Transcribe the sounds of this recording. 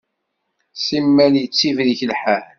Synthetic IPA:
simːæljət͡sːivðiçəlħæɾ

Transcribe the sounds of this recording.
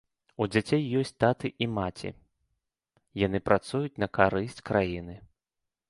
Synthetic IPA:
ud͡zʲat͡sʲejːɔsʲtʲt̪at̪ɨʔimat͡sʲḭ | jan̪ɨpɾat̪sujut͡sʲnɐkaɾɨsʲt͡sʲkɾajinɨ

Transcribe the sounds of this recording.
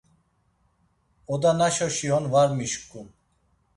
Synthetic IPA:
ɔd̪anaʃɔʃiɔnvaɾmiʃkʼːun

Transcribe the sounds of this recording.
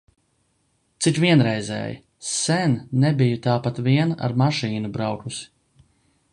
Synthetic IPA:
t̪sit͡ʃvʲiɛnɾɛjzɛ̰ːj̰ | sɛnːɛbijut̪aːpat̪viɛna̰ɾmaʃiːnubɾawkus

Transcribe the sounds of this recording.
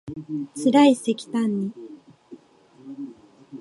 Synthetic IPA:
t͡sɨɾaise̞kʲi̥t̪ãɲ̟ːi

